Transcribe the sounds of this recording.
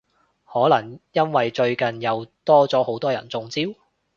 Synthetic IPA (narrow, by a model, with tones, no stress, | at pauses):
hɔː˨˥lɐ˨˩ŋjɐ˥nwɐ˨jt͡ʃɵ˧ɥkɐ˨njɐ˨˧wt̪ɔː˥t͡sɔː˨˥ho˨˥wt̪ɔː˥jɐ̰˨˩nt͡sʊ˧ŋt͡siː˥w